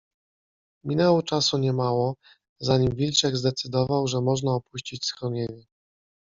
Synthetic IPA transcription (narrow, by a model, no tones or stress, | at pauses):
mʲinɛwɔt͡ʂasuɲɛmawɔ | zaɲimvʲilt͡ʂɛɡzd̪ɛt̪sɘd̪ɔvawʐɛmɔʐnaɔpuɕt͡ɕit͡ɕsxɾɔɲeɲɛ